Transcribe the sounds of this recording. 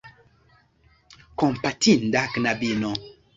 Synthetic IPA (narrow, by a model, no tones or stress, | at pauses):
kompatindaknabinɔ